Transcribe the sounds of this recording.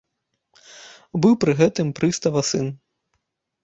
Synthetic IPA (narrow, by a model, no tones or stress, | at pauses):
bɨwpɾɨɣɛt̪ɨmpɾɨst̪ɐvɐsɨn